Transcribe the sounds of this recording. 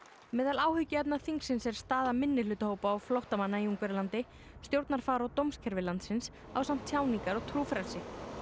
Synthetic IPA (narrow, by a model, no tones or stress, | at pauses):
mɛːðalaːwhʏcːɪɛp̚naθiŋksɪnsɛɾ̥st̪aːðamɪnːɪlʏːt̪ʏhoːwpaːwflowht̪amanːaiuŋkvɪɾlant̪ɪ | st̪jowɾt̪naɾ̥faːɾawt̪owmscʰɛɾvɪlant̪sɪns | awsam̥t̪ʰːjaːwniŋkaɾɔɣt̪ʰɾuːfɾalsɪ